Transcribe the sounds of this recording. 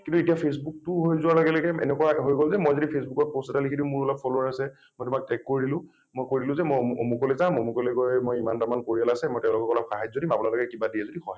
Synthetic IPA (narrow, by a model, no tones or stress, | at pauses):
kĩntuetijapʰesbuk̚tʊɦojzʊwalɔɡɛlɔɡɛɛ̰nɛkuaɦojɡɔlzɛmojzodipʰesbukɔt̚pɔsɛtalikʰitimuɹɔlɔpfɔloaɹasɛ | mojtʊmak̚tɛkːoɹilʊ̃ | mojkoɹilʊ̃zɛmojomukolɛzãmomukolɛkojmojima̰ntamankoɹialasɛmɔjtɛʊ̃lɔkɔkɔlɔpxaɦajd͡ʒzodimapunalɔkɛkibadiɛzodihɔj